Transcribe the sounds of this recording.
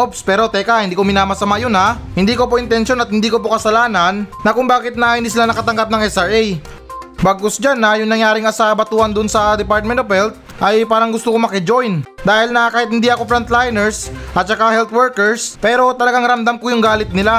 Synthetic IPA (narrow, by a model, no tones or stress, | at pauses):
ʔopspɛːɾo̞t̪ɛkahɪnd̪iːkomɪnaːmɐsɐmajonahɪnd̪iːko̞poʔɪnt̪ɛnʃo̞nɐt̪hɪnd̪iːko̞pokɐsɐlaːnɐnːɐkʊŋbaːkɪt̪̚nɐhɪnd̪iːs̬ɪlanɐkɐt̪ɐŋɡap̚nɐŋʔɛsaɹɛj | baɡ̚kosd͡ʒanːɐjʊŋnɐŋjaːɾɪŋɐsaːʔbɐt̪uːhɐnd̪ʊnsɐd̪ɛpaɾt̪̚mɛnt̪ofhɛlt̪̚ | ʔɐjpaːɾɐŋɡʊst̪okomɐkɛd͡ʒo̞jnd̪aːhɪlnɐkaːhɪt̪̚hɪnd̪iʔɐko̞fɾɐnt̪lajnɛɹsʔɐt̪̚t͡ʃɐkahɛlt̪wɛɹkɛɹspɛːɾo̞t̪ɐlɐɡaŋɾɐmd̪amkojʊŋɡaːlɪt̪̚nɪla